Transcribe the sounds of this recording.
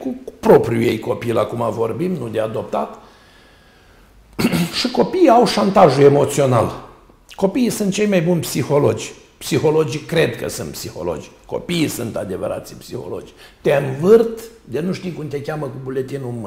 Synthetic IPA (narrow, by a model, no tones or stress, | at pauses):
kupɾo̞pɾʲujḛjko̞pilakumavo̞rbimnud̪ead̪o̞p̚t̪at̪ | ʃiko̞piːawʃant̪aʒue̞mo̞t̪sio̞na̰l | ko̞piːsɨnt̪̚t͡ʃejmajbunʲpsixo̞lo̞d͡ʒʲ | psixo̞lo̞d͡ʒkɾe̞d̪kə̰sɨnt̪psixo̞̰lo̞̰d͡ʒʲko̞̰piːsɨnt̪a̰d̪e̞və̰ɾa̰t̪sipsixo̞̰lo̞̰d͡ʒʲt̪eɨnvɨrt̪d̪enuʃt̪ijkumt̪e̞kʲaməkubule̞t̪inum